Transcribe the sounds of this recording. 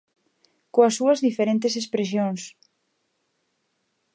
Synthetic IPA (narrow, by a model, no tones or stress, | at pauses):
koɐsːuɐzðifeɾẽnt̪esespɾes̬joŋs